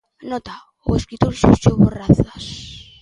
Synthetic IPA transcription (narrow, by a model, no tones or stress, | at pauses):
not̪a | oeskɾit̪olsust͡ʃoβoraθas